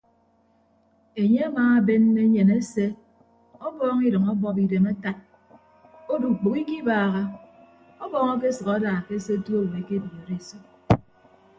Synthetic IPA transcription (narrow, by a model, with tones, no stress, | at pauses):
e˨ɲe˦a˦maː˦a˦be˦nːe˦ɲe˨ne˦se˦ | ɔ˦bɔː˦ŋi˦dɨ˨ŋɔ˦bɔ˦pi˨de˨ma˦ta˦t̚ | o˦du˨k͡po˨ki˦ki˦baː˨ɣa˦ | ɔ˦bɔː˦˨ŋɔ˦k̬e˦sɨ˨ɣa˦daː˨ke˦se˦tu˦o˦˨we˨˦ke˦bi˨e˨ɾe˦˨so˦